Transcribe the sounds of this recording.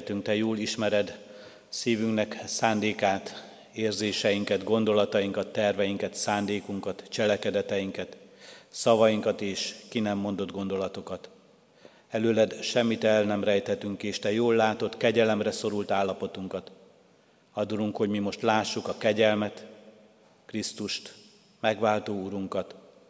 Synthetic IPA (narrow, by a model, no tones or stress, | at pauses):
t̪yŋkt̪ɛjoːliʃmɛɾɛd̪ | siːvyŋknɛksaːnd̪eːkaːt̪ | eːrzeːʃɛjiŋkɛd̪ɡo̞nd̪o̞lɒt̪ɒjiŋkɒt̪ːɛrvɛjiŋkɛt̪saːnd̪eːkuŋkɒt̪t͡ʃɛlɛkɛd̪ɛt̪ɛjiŋkɛt̪sɒvɒjiŋkɒt̪eːʃkinɛmːo̞nd̪o̞d̪ɡo̞nd̪o̞lɒt̪o̞kɒt̪ | ɛløːlɛd̪ʃɛmːit̪ɛlnɛmrɛjt̪hɛt̪yŋkeːʃt̪ɛjoːlːaːt̪o̞t̪kɛɟɛlɛmrɛso̞ɾult̪aːlːɒpo̞t̪uŋkɒt̪ | ɒd̪uɾuŋkho̞ɟmimo̞ʃt̪laːʃːukɒkɛɟɛlmɛt̪ | krist̪uʃt̪ | mɛɡʋaːlt̪oːuɾuŋkɒt̪